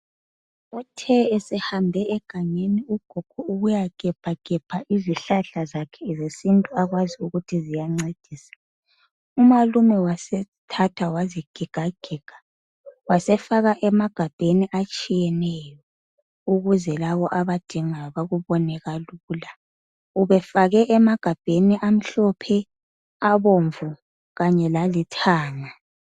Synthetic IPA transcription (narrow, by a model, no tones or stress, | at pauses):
utʰɛːsɛhambʱɛɛɡ̥ʱaɲeniuɡ̥ʱɔɡ̥ʱɔuɣujaɡ̥ʱʼɛb̥ʰʱaɡ̥ʱɛpʰaʔiziɬaɬazakʰɛzesintʼuaɣwaziuɣutʰizijaŋ͡ǀed̥ʱiːsḁ | umalumɛwasɛ | tʰatʰawaziɡ̥ʱiɡ̥ʱaɡ̥ʱiɡ̥ʱḁ | wasɛfaɣaʔɛmaɡ̥ʱab̥ʱeniʔat͡ʃʼijɛnɛjɔ | uɣuzɛlaβɔʔaβad̥ʱiŋaβaɣuβɔnɛɣaluːla | uβɛfaɣɛʔɛmaɡ̥ʱab̥ʱeniʔam̩ɬɔpʰɛ | aβoɱvu | ɣaɲɛlalitʰaːŋa